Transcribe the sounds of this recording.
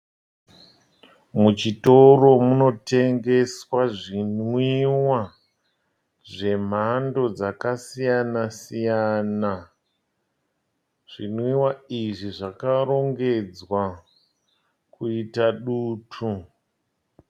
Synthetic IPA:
mut͡ʃito̞ro̞muno̞te̞ŋɡe̞swaʐinwiwa | ʐe̞m̤ando̞d͡zakasijanasijana | ʐ̥inwiwaiʐiʐakaɾo̞ŋɡe̞d͡zwa | kuitaɗuːtʰu

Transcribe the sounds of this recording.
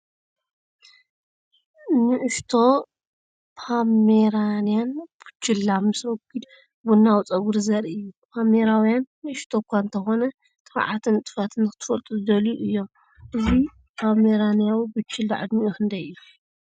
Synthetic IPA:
nɨʕɨʃt̪ʰo̞ | pʰameɾanijanb̥ɨ̥t͡ʃːɪlːamːɨswɔɡid̪ | bunːawt͡sʼɐɡuɾzɐɾiɨjːupʰameɾawijanːɨʔɨʃt̪ʰokʰʷːaɨnt̪ʰɐxo̞nɐ | t̪ʼɨfa̰ʕat̪ʰɨnt̪ʼɨ̥fat̪ʰɨnkɨt̪ʰɨ̥fɐlt̪ʼuzd̪ɐluʔɨjːom | ʔɨzi | pʰameɾanjawibɨt͡ʃʰːɪld̪aʕɨ̰d̪miʔuxʰɨnd̪ɐjɨju

